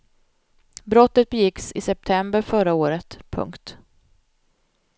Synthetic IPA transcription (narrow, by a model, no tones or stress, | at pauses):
bɾɔt̪ːət̪̚bɛjɪksɪsɛp̚t̪ʰɛmbəɾfœɾaoːɾət̪pʰɵ̰ŋkt̪